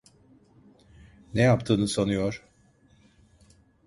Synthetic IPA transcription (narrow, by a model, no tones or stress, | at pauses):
nejapt̪ʰɯːnɯsonujoɾ̥